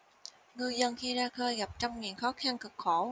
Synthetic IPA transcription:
ŋɨ˧jzə˧nxi˧zaː˧xəː˧jɣa˨˩p̚t͡ɕɔ˧wŋ͡mŋḭ˨ənxɔ˨˦xa˧nkɨ˨˩k̚xo˧˩

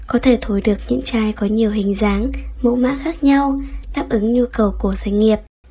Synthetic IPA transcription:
kɔ˨˦t̪ʰe˧˩t̪ʰo˨˦jɗɨ˨˩ək̚ɲɨ̰˧˥ŋt͡ɕaː˧jkɔ˨˦ɲi˨˩əwɦï˨˩ŋ̟zaː˨˦ŋmo̰˧˥ma̰ː˧˥xaː˦˥k̚ɲa˧wɗaː˦˥p̚ʔɨ˨˦ŋɲu˧kə˨˩wku˧˩əsa˨˦jŋi˨˩əp̚

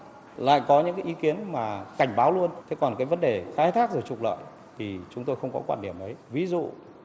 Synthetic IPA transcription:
la̰ː˧˨jkɔ˨˦ɲɨ̰˧˥ŋkaː˨˦jʔi˨˦ki˨˦ənmaː˨˩ka˧˩jŋ̟ɓaː˨˦wlu˧ənt̪ʰe˨˦kɔ˨˩nkaː˨˦jvə˨˦nɗe˨˩xaː˧˦jt̪ʰaː˦˥k̚zo˨˩jt͡ɕʊ˨˩k͡p̚lə̰ː˧˨j | t̪ʰi˨˩t͡ɕʊ˨˦ŋ͡mt̪o˧jxə˧wŋ͡mkɔ̰˨˦kwaː˧nhi˧˩əmʔə˨˦jvi˨˦zṵ˧˨

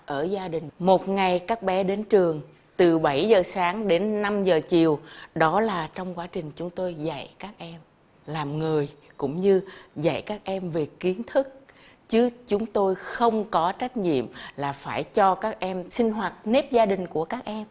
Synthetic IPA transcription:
ʔəː˧˩zaː˧ɗï˨˩ŋ̟mo˨˩t̚ŋa˨˩jkaː˦˥k̚ɓɛ˨˦ɗe˨˦nt͡ɕɨ˨˩əŋ | t̪ɨ˨˩ɓa˧˩jzəː˨˩saː˨˦ŋɗe˨˦nːa˧mzəː˨˩t͡ɕi˨˩əwɗɔ˨˦laː˨˩t͡ɕɔ˧wŋ͡mkwaː˨˦t͡ɕï˨˩ŋ̟t͡ɕʊ˨˦ŋ͡mt̪o˧jza̰˧˨jkaː˦˥k̚ʔɛ˧m | laː˨˩mŋɨ˨˩əj | kʊ̰˧˥ŋ͡mɲɨ˧za̰˧˩jkaː˦˥k̚ʔɛ˧mve˨˩ki˨˦ənt̪ʰɨ˦˥k̚ | t͡ɕɨ˨˦t͡ɕʊ˨˦ŋ͡mt̪o˧jxə˧wŋ͡mkɔ˨˦t͡ɕa˦˥jk̟̚ɲḭ˧˨əmlaː˨˩faː˧˩jt͡ɕɔ˧kaː˦˥k̚ʔɛ˧msï˧ŋ̟ɦwa˨˩t̚ne˦˥p̚zaː˧ɗï˨˩ŋ̟ku˧˩əkaː˦˥k̚ʔɛ˧m

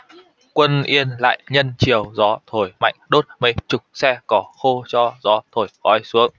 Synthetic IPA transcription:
kwə˧nʔi˧ənla̰ː˧˨jɲə˧nt͡ɕi˨˩əwzɔ˨˦t̪ʰo˧˩jma̰˧˨jŋ̟ɗo˦˥t̚mə˨˦jt͡ɕʊ˨˩k͡p̚sɛ˧kɔ˨˦xo˧t͡ɕɔ˧zɔ˨˦t̪ʰo˧˩jkɔ˨˦jsu˨˦əŋ

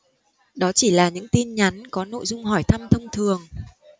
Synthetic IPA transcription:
ɗɔ˨˦t͡ɕi˧˩laː˨˩ɲɨ̰˧˥ŋt̪i˧nɲa˨˦nkɔ˨˦no̰˧˨jzʊ˧ŋ͡mɦɔ˧˩jt̪ʰa˧mt̪ʰə˧wŋ͡mt̪ʰɨ˨˩əŋ

